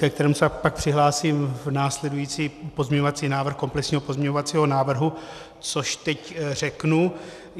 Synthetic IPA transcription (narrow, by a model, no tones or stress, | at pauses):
kɛk̚t̪ɛɾɛːmusɛpak̚pr̥ɪɦlaːsiːmvnaːslɛdujiːt͡siːpozmɲɛɲovat͡siːnaːvr̩xko̞mplɛksɲiːɦo̞po̞zmɲɛɲovat͡siːɦo̞naːvr̩ɦu | t͡soʃt̪ɛcr̝ɛknu